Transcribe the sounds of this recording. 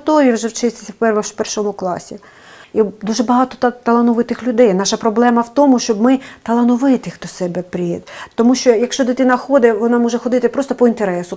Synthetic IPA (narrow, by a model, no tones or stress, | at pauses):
t̪ɔʋʲiwʒɛwt͡ʃɪsʲsʲwpɛrʋɐpɛrʃɔmʊklˠɑ̰sʲi | id̪uʒɛbɐɦɑt̪ɔt̪ɐlˠɐnɔʋɪt̪ɪxlʲʊd̪ɛjnɑʃɐpɾɔblˠɛmɐwt̪ɔmʊʃt͡ʃɔbmɪt̪ɐlˠɐnɔʋɪt̪ɪxt̪ɔsɛbɛpɾʲijɛd̪t̪ɔmuʃt͡ʃɔjɐkʃt͡ʃɔt̪ɪt̪ɪnɐxɔd̪ɛʋɔnɑmɔʒɛxɔd̪ɪt̪ɪpɾɔst̪ɔpɔint̪eɾɛsʊ